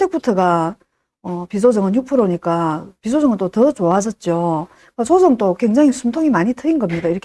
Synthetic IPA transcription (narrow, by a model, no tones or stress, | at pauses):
tʰek̚pʰutʰɯɡa | ʌpis̬ʰod͡ʑʌŋɯnjuk̚pʰɯɾoɲik͈apis̬ʰod͡ʑʌŋɯnt͈otʌt͡ɕoad͡ʑʌt̚t͡ɕ͈o | kɯkasʰod͡ʑʌmt͈okwe̞ŋd͡ʑaŋisʰumtʰoŋimaɲitʰɯinɡʌmɲidaiɾʌkʰ